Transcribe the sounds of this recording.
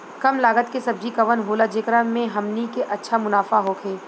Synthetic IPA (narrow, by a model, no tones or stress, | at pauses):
kɐmlaːɡət̪kesɐb̚d͡ʒikɐʋənɦoːlad͡ʒeːkɾamẽɦɐmnikeʔɐtːʃʰamʊnaːfaɦokʰeː